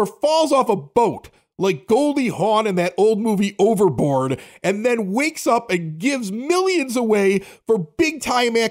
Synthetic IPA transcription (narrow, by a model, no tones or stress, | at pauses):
ə˞fɔlˠzɔfəboʊt | laɪk̚ɡ̥oʊlˠdˡihɔ̃nɨ̃nðɨɾʔoʊlˠd̚muviʔoʊvə˞bɔɹɾʔɨ̃nðɨ̃nweɪksʌpɨ̃nɡɪvzmɪlˠjɨ̃nzəweɪfə˞bɪɡ̚tʰãɪ̃mæ